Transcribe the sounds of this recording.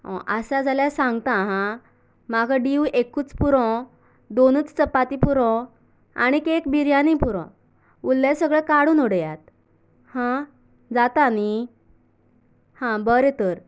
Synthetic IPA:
ɔ̰̃ʔəsad͡zʱaljasãŋɡt̪aɦã | maɡaɖiuekuːt͡spuɾɔ̃ | d̪onuːt͡st͡səpːat̪ipuɾɔ̃ | a̰ɽ̃ikekbiɾjanipuɾɔ̰̃ | ulːasəɡɭekaɽuːnuɽjat̪̚ | hã | d͡zat̪ani | hãbəɾet̪əɾ

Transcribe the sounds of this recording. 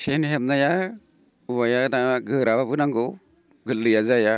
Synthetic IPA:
senɦem̚naja | uwajadaɡɯɾawabɯnaŋɡɔ | ɡɯlːɯjazaja

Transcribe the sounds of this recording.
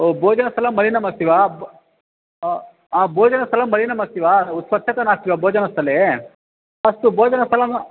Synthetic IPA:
oboːd͡ʒɐnɐsɐlɐmːɐɾinɐmɐsiʋa | ãboːd͡ʒɐnɐst̪ɐlɐmːɐlinɐmɐst̪iʋaut̪swɐt̪ʃʰɐt̪ɐnaːst̪iʋaboːd͡ʒɐnɐst̪ʰɐle | ɐst̪uboːd͡ʒɐnɐsɐlɐm

